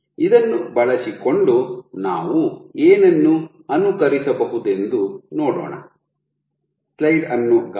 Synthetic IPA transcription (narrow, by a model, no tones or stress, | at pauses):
id̪ɐnːubɐɭɐsikoɳɖuna̰ːʋueːnɐnːu | ɐnukɐɾisɐbɐɦud̪e̞nd̪unɔːɽɔ̰ːɳɐ̰ | slɐjɖɐnːuk